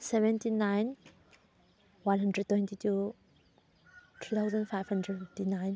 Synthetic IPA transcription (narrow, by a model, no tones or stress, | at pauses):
sɛvɛnt̪ʰinajn | wãnɦəndɹɛd̚t̪wɛ̃nt̪ʰitʰu | t̪ʰut̪ʰawzənfajvhəndɹɛfiftinajn